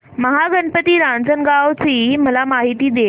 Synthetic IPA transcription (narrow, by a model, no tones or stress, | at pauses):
məɦaɡənpət̪iːɾãɳd͡zənɡawt͡siːməlamaɦit̪iːd̪e